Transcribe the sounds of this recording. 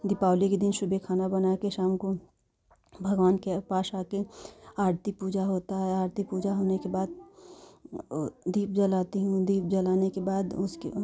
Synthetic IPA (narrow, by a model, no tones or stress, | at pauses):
d̪ɪpaːʊliked̪ɪnʃʊbʱekʰaːnabənakeʃaːmko | bʱəɡʋaːnkepaːsaːkeaːɾt̪ipuːd͡ʒaɦoːt̪aɦɛaːɾt̪ipuːd͡ʒaɦoːnekebaːd̪̚ | d̪iːp̚d͡ʒəlaːt̪iɦũd̪iːp̚d͡ʒəlaːnekebaːd̪ʊskḛ